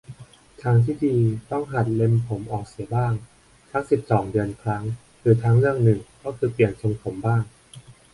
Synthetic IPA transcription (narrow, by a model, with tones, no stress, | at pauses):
t̪ʰaː˦˥ŋt̪ʰiː˥˩diː˧t̪ɔ˥˩ŋɦa˨˩t̪̚le˧mpʰo˩˦mʔɔː˨˩k̚si˩˦ɐbaː˥˩ŋ | t̪ʰa˦˥ŋsi˨˩p̚sɔː˩˦ŋdɯ˧ənkʰɾa˦˥ŋ | ɾɯː˧t̪ʰa˦˥ŋɾɯ˥˩əŋnɯ˨˩ŋkɔː˥˩kʰɯː˧pli˨˩ənsʰo˧ŋt̪ʰo˩˦mbaː˥˩ŋ